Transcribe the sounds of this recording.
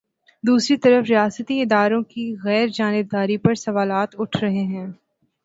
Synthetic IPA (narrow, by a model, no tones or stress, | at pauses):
d̪uːsɾit̪ɐɾəfɾijaːsət̪iɪd̪aːɾõkiɣɛːɾd͡ʒaːnɪb̚d̪aːɾipɐɾsɐʋaːlaːt̪ʊʈʰɾɐɦeɦɛ̃ː